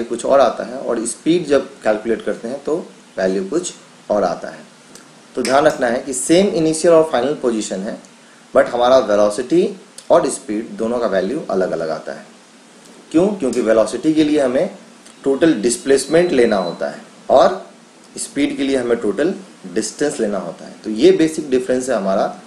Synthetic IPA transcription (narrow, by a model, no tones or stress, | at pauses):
ukʊt͡ʃʰɔ̰ːɾaːt̪a̰ɦɛɔ̰ːɾɪspiːɖd͡ʒɐb̚kɛːlkʊleːʈkɐɾt̪eɦɛ̃t̪o | ʋɛːljukʊt͡ʃʰ | ɔːɾa̰ːt̪a̰ɦɛː | t̪oːd̪ʱjaːnɾɐkʰnaɦɛkiseːmɪniːʃijəlɔːɾfaːɪnəlpoːd͡ʒɪʃənɦɛː | bɐʈɦɐmaːɾaʋelɔːsɪʈiɔːɾɪspiːɖd̪oːnõkaʋɛːljuʔɐ̰ləɡɐlə̰ɡa̰ːt̪a̰ɦɛː | kjõːkjõːkiʋɛːlɔːsɪʈikelieɦɐmẽ | ʈoːʈəlɖɪspleːsmẽɳʈleːnaɦoːt̪a̰ɦɛ̰ː | ɔːɾ | ɪspiːɖkelieɦɐmẽʈoːʈəl | ɖɪsʈə̃nsleːnaɦo̰ːt̪a̰ɦɛ̰t̪ojeːbeːsɪk̚ɖɪfɾə̃nsɦɛɦɐmaːɾa